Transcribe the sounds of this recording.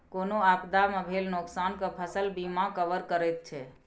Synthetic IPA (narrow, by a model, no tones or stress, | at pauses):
konoaːpd̪amãbʱelnoksankəpʰəsəlbimãkəʋəɾkəɾɛt̪̚t͡ʃʰɛ